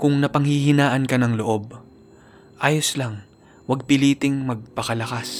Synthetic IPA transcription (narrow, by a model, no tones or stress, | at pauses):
kʊŋnɐpɐŋhɪhɪnaːʔɐnkɐnɐŋloʔo̞b̚ | ʔaːjoslaŋ | wɐɡ̚pɪliːt̪ɪŋmɐɡ̚pɐkɐlɐkas